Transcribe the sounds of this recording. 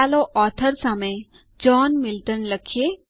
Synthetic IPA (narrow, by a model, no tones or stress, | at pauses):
aloʔɔːt̪ʰəɾsəme | d͡ʒɔːnmɪlʈənləkʰie